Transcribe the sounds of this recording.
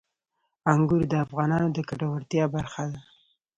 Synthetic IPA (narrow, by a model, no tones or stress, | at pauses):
aŋɡʊɾd̪əafɣɑnɑnod̪əkaʈawaɾt̪jɑbaɾxad̪a